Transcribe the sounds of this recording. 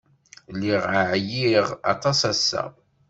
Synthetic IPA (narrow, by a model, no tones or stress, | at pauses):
lːiʁaʕjiʁɑ̰t̪ˤɑsæsːæ̰